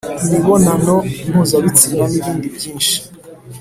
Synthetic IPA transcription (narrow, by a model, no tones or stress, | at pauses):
niβonanon̥uzaβit͡siɾaniβiːndibɟiːnʃi̥